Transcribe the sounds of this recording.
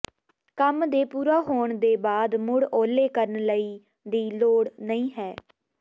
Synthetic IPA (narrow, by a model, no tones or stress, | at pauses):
kəmd̪eːpuːɾaːɦoːɳd̪eːbaːd̪mʊɽoːleːkəɾənləiː | d̪iːloːɽnəĩːɦɛː